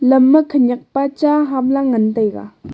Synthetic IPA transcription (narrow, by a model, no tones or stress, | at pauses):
ləpməkʰəɲaχpat͡ɕaɦamlaŋənt̪ajka̰